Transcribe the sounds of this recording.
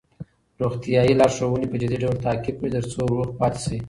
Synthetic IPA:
ɾoxt̪ijɑjilɑʃowənipəd͡ʒɪd̪iɖawlt̪ɑkɪb̚kɽit̪əɾt͡soɾuxpɑt̪si

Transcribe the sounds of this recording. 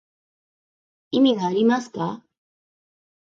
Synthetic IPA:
imiɡaɾimaska

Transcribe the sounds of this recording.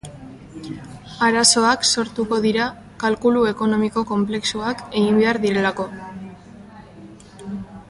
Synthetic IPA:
aɾaso̞akso̞ɾt̪uko̞ðiɾa | kalkulue̞ko̞no̞miko̞ko̞mple̞ksuake̞ɣimbe̞aɾðiɾe̞lako̞

